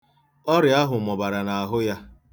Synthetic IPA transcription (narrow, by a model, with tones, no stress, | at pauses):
ɔ˦ɾɪ˨a˦ɦʊ˨mɔ˨ba˨ɾa˨na˨a˨ɦʊ˦ja˦